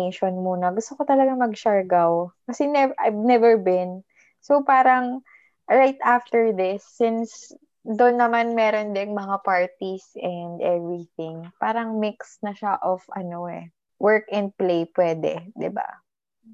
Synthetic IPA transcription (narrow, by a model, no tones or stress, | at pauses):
ʃonmuːnɐɡʊst̪okot̪ɐlɐɡaŋmɐɡ̚ʃaɹɡawkɐsɛnɛʔajvnɛvɛɹbɪ̃n | sopaːɾɐŋ | ɹajt̪aft̪ɛɹðɪsːɪns | d̪onːɐmanmɛːɾond̪ɛŋmɐŋapaɹt̪isɛnd̪ʔɛvɹiθɪ̃ŋpaːɾɐŋmɪksnɐʃaʔofɐnoɛ̰ | wɛɹkɛ̃nd̪̚plejpwɛːd̪ɛ̰d̪ɪba̰